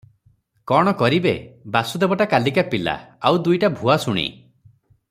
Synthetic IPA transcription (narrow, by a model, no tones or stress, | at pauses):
kɔɽ̃ɔkɔɾibebasud̪ebɔʈakalikapila̰awd̪ujʈabʱuasuɽ̃ḭ